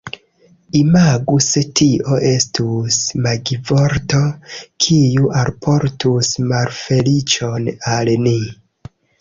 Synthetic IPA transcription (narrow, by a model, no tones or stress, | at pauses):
imaɡusetʰiʔo̞ʔe̞stusmaɡivo̞ɾto̞kʰijuʔalpʰo̞ɾtusmalfe̞lit͡ʃo̞nalni